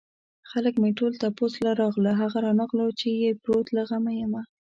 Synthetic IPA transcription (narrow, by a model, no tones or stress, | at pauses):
xaləkmeʈolt̪aposlaɾɑɣlaɦaɣaɾɑnaqlawt͡ʃejepɾot̪laɣamajəma